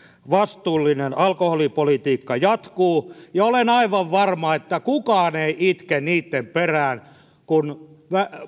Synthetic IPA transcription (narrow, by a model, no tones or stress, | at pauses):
ʋɑst̪uːlːinenɑlkoholipolit̪iːkːɑjɑt̪kuːjɑolenɑiʋɑʋʋɑrmɑet̪ːækukɑːneiʔit̪kenniːt̪ːemperæːn | kunʋæ